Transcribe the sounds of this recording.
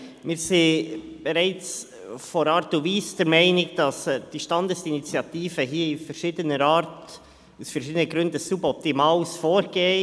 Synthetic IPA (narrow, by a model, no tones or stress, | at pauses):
mɪːɾsib̥ɛɾɛɪt͡s | fɔɾɑːɾtuviːsd̥əɾmɛɪnɪkd̥ɑsd̥iʃtɑndəsinit͡sjɑtiːfəɦiːəifəɾʃiːdənəɾɑːɾt | usfɛɾʃiːdənəɡɾʏndəsubɔp̚timɑːsfoːɾɡ̥eː